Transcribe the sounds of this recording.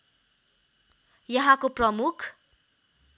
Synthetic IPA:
jʌɦãkoprʌmukʰ

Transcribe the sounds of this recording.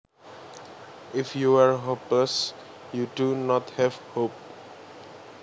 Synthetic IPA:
ɪfjuwəɹɦopləs | judunɔthɛvhop̚

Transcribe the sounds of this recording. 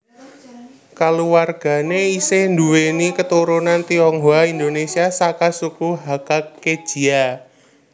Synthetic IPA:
kaluwarɡ̥a̤neisend̪uwenikət̪uɾunant̪iɔŋɦoaind̪onesiasakasukuɦakake̥ʒ̥i̤a

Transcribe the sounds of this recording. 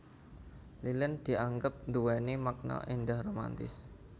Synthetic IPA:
lilənd̪̥i̤aŋɡəp̚nd̪uwɛnemak̚nɔ̰ʔindahroma̰nt̪ɪ̰s

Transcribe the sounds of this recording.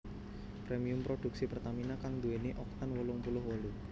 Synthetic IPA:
pɾemiʊmpɾoɖ̥uksipərt̪aminakaŋd̪ueneʔɔk̚t̪anwəlʊŋpulʊhwɔlu

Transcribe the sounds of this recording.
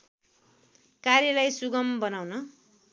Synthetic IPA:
karjʌlajsuɡʌmbʌnawnʌ

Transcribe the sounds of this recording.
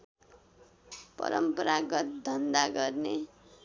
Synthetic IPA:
pʌ̰ɾʌ̰mpʌɾaɡʌt̪̚d̪ʱʌnd̪aɡʌrne

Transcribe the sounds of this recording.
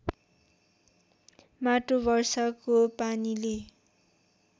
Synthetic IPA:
maʈobʌrsʌkopanile

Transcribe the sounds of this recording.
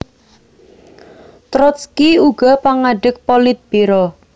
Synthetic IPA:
t̪ɾɔt̪skiuɡ̥ɔ̤paŋaɖ̥ə̤k̚pɔlɪt̪̚b̥eɾɔ

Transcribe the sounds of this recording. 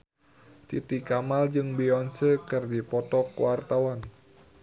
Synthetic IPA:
t̪it̪ikamald͡ʒɨŋbiɔnsəkɨrdipɔt̪ɔkwart̪awan

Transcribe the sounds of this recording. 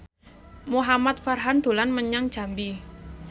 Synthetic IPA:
muɦamat̪̚farɦand̪̥o̤lanməɲaŋ̥ʒ̥a̤mbi

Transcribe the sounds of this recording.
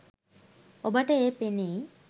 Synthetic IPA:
obaʈəepene

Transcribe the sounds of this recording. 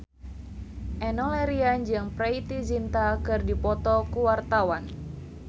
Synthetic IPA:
ʔɛnɔlɛɾiand͡ʒɨŋprɛit̪izint̪akɨrdipɔt̪ɔkuwart̪awan

